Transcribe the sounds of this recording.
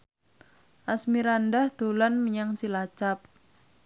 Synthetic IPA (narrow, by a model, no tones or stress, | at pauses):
ʔasmiɾandahd̪̥olanməɲaŋt͡ʃilat͡ʃap̚